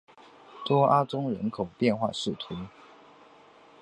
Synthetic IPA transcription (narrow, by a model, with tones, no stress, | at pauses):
t̪wɔ˥ʔa˥t͡sʊ˥ŋɻə̰˧˥nkʰo˨˩ʊpjɛ˥˧nxwa̰˥˧ʂɻ̩˥˩t̪ʰu˨˧˦